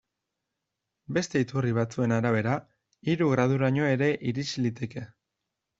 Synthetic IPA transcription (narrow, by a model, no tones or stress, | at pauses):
be̞st̪e̞it̪uriβ̞at͡sue̞naɾaβ̞e̞ɾa | iɾuɣ̞ɾað̞uɾaɲo̞e̞ɾe̞ʔiɾit͡ʃilit̪e̞ke̞